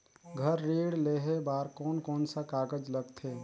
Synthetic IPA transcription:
ɡʱəɾːeːɽleɦebaːɾkɔːnkɔːnsakaːɡəd͡ʒləɡt̪ʰe

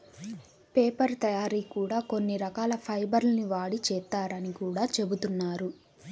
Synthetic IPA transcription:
pɛːpɐɾt̪ɐjaːɾiːkuːɽaːko̞nːiɾɐkaːlɐpʰɐjbɐɾlɐniʋaːɽit͡ʃɛːt̪ːaːɾɐnikuːɽaːt͡ʃe̞but̪unːaːɾu

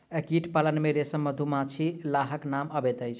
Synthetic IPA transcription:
ekiʈʰpalənmeɾesəmːəd̪ʱumat͡ʃʰilaɦəknaməbet̪əjt͡ʃʰ

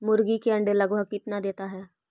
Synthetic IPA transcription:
mʊɾɡikeɐ̃ɳɖelɐɡʋəkɪt̪nad̪eːt̪aɦɛː

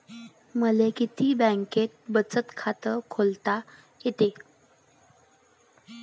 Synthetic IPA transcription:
məlekit̪iːbə̃ŋket̪̚bət͡sət̪kʰat̪əkʰolt̪a | jet̪e

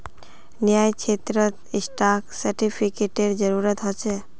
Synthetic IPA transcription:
nijajt͡ʃʰet̪ɾət̪isʈaksəɾʈipʰikeʈeɾd͡ʒəɾuɾət̪ɦɔt͡ʃʰe

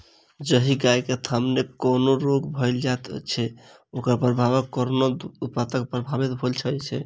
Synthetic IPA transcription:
d͡ʒəɦiɡajket̪ʰəmnekonoɾoɡbʱəjld͡ʒat̪t͡ʃʰɛ | okəɾpɾəbʱabəkoɾnout̪̚pat̪ək̚pɾəbʱabit̪bʱəlt͡ʃʰəjt͡ʃʰɛ̰

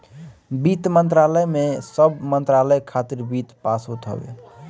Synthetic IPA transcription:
bit̪mənt̪ɾaləjmesəbmənt̪ɾaləjkʰat̪iɾbit̪pasut̪ʰə̰bḛ

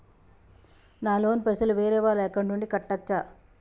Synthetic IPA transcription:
naːlo̞ːnpesɐluʋeːɾɛːʋaːlɛːkɐɳʈuɳɖikɐʈːɐt͡ʃːa

